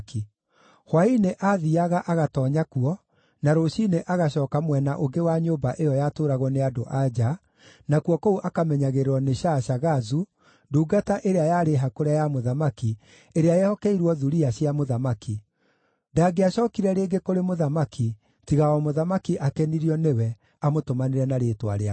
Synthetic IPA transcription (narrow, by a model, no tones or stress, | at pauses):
ki | hwaineʔaðiaɣaʔaɣatɔɲakuɔ | naɾoɕineʔaɣaɕɔːkamwɛnaʔoɡewaɲoːmbaʔejɔjatoːɾaɣɔneadoʔad͡ʑa | nakuɔkouʔakamɛɲaɣeɾewɔneɕaɕaɣazu | duːɡataʔeɾeajaɾeɦakoɾajamoðamaki | eɾeajɛhɔkɛiɾwɔðuɾiaɕiamoðamaki | ndaɡeaɕɔkiɾɛɾeːɡekoɾemoðamakʰi | tiɣaɔmoðamakiʔakɛniɾiɔnewɛ | amotomaneɾɛnaɾeːtwa̰ɾea